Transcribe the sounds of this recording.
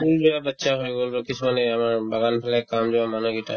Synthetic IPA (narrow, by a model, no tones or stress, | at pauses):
ulbijabatːsʰaɦojɡolokisumanɛamaɹbaɡanpʰalɛkamzɔamanɔɡita̰